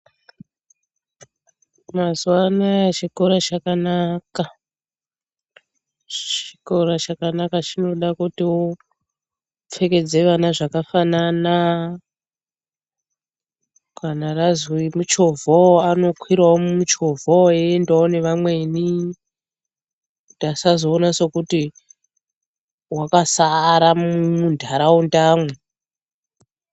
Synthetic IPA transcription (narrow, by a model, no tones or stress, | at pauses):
mazuwanajat͡ʃikoɾat͡ʃakanaka | t͡ʃi̥ko̞ɾat͡ʃakanakat͡ʃino̞ɗakutio | p͡fe̞ke̞d͡ze̞ʋanaʐakafanana | kanarazwimut͡ʃo̞vʱoano̞kwiɾwawomumut͡ʃo̞vʱoeendawone̞ʋamwe̞ni | td̥asazo̞ːnaso̞kuti | wakasaɾamumundʱaɾaundaːmwe